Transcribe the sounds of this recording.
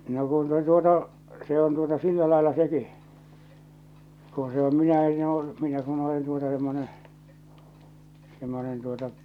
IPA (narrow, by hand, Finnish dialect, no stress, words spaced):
no kun se tuotɑ se on tuotɑ silːæ lɑelːɑ seki ku se om minæ enː oː minæ kun olen tuotɑ semːone semːonen tuotɑ